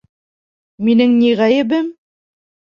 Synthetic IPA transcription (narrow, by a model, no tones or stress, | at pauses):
minɘŋniʁæjɘ̆bɘm